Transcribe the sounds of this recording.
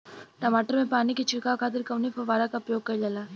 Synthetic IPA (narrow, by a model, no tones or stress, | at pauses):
naːmaːʈɾɐmeːpaːnikit͡ʃikaːkʰaːt̪̬iɾkɐʋnipʰɐʋaːɾakɐpjoːɡ̚kɐlːɐla